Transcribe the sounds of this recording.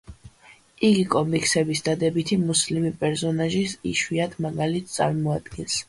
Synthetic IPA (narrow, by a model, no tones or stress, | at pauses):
iɡikʼɔmikʰsɛbisd̪ad̪ɛbit̪ʰimuslimipʼɛɾsɔnaʒisḭʃwiad̪ʰmaɡalit̪̚ʰt̪sʼa̰ɾmɔad̪̥ɡ̥ɛns